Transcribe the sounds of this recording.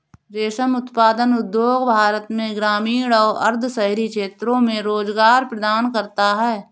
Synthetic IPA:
ɾeːʃəmʊt̪paːd̪ənʊd̪joːɡbʱaːɾət̪mẽɡɾaːmiːɽɔːʔɐɾd̪ʱsɐɦɾikʃeːt̪ɾõmẽɾoːd͡ʒɡaːɾpɾəd̪aːnkɐɾt̪aɦɛː

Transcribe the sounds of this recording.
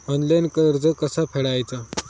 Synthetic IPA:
ɔnlankəɾd͡zəkəsapʰeɽajt͡sa

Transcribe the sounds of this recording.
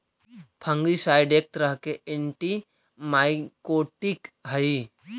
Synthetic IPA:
pʰə̃ŋɡisaːjɪɖeːk̚t̪ɾəɦkeʔɪɳʈi | maːɪkoːʈɪkɦɐi

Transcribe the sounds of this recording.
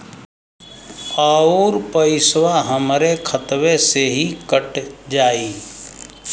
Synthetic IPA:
aːuɾpəɪswaɦəmɾekʰət̪ʋeseɦikəʈd͡ʒaːiː

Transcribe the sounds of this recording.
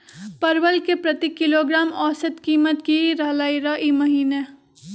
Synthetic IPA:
pɐɾʋəlkepɾɐt̪ikɪloːɡɾaːmɔːsət̪kiːmət̪kiɾalaːiɾaʔimɐɦiːne

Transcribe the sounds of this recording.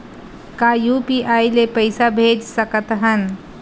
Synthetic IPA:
kajupiʔaːjlepəjsabʱeːd͡ʒsəkət̪ɦən

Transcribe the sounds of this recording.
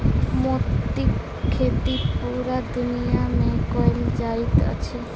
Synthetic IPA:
mot̪ːi | kʰːet̪ipuːɾad̪unijamẽkɔeld͡ʒait̪ə̰t͡ɕʰe

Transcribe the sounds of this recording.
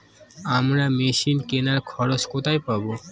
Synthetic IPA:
amɾameʃinkenaɾkʰɔɾot͡ɕkot̪ʰajpabo

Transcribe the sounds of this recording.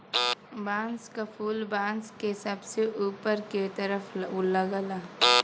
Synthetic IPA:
bãːnskapʰuːlbãːnskesəbseuːpəɾket̪əɾəpʰləɡəla

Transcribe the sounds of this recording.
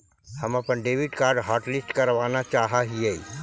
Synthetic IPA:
hɐmɐpənɖeːʋɪɖkaːɾɖɦaːɾʈlɪsʈkɐɾʋaːnat͡ʃaːɦaɦieː

